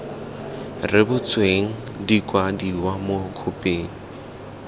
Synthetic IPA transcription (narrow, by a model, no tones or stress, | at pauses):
rɪbʊt͡sweŋ̩ | dikʼwadiwamʊkʰʊpʼeːŋ̩